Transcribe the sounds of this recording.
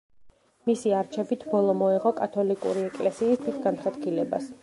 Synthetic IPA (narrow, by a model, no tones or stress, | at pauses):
misiaɾt͡ʃʰɛbit̪ʰbɔlˠɔmɔɛʁɔkʼat̪ʰɔlikʼṵɾiɛkʼlɛsiːst̪ʰwit̪ʰɡanχad̪ɡilɛba̰s